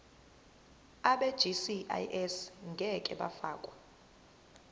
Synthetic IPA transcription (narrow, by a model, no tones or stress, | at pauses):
aɓed̥ʒ̥ʱisia̰jʔɛsŋɡʱɛkʼɛ̰ɓa̰fa̰ːkʼwa